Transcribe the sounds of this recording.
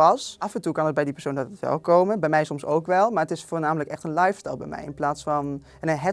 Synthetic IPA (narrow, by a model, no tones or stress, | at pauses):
ɑsʔɑfɛntukɑnət̚bɛjdipəɹsowndɑtətʋɛ̰lˠkowmənbɛjmɛjsɔmso̰wkʋɛlˠmaːɹətɪsfʊːɹnaːmələkɛχtənlɑjfə̥ɹtɛlˠbɛ̰jmɛ̰jɪ̰nplaːtsfɑn | nəɦɛ